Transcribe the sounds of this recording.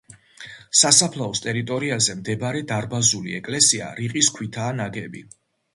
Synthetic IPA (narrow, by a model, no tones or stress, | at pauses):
sasapʰlˠaɔst̪ʼɛɾit̪ʼɔɾiazɛmd̪ɛbɾɛd̪aɾbazuliɛkʼlɛsia̰ɾiqʼiskʰwit̪ʰaːnaɡɛbḭ